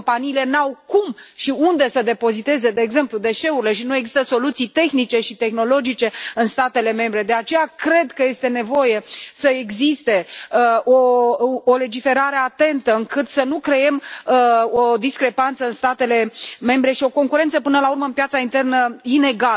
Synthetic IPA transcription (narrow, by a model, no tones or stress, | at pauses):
ompaniːle̞nawkumʃiund̪e̞səd̪e̞po̞zit̪e̞ze̞d̪e̞ːɡze̞mplud̪e̞ʃe̞uɾile̞ʃinue̞ɡzist̪əso̞lut̪sijt̪e̞xnit͡ʃe̞ʃit̪e̞xno̞lo̞d͡ʒit͡ʃe̞ɨnst̪at̪e̞le̞me̞mbɾe̞d̪e̞at͡ʃe̞jakɾe̞d̪kəje̞st̪e̞ne̞vo̞je̞səeɡzist̪e̞ | oː | le̞d͡ʒife̞ɾaɾe̞at̪e̞nt̪əɨŋkɨt̪sənukɾe̞e̞m | od̪iskɾe̞pant̪səɨnst̪at̪e̞le̞me̞mbɾe̞ʃio̞ko̞ŋkuɾe̞nt̪səpɨnəlaurməɨmpjat̪saint̪e̞rnəine̞ɡal